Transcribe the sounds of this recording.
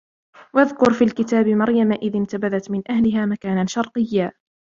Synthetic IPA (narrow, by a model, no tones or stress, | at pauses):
waðkʊɾfiːlkɪt̪aːbmɑɾjamaʔɪðɪnt̪abaðat̪mɪnʔahlɪɦaːmakaːnaʃɑɾˤqɨjːaː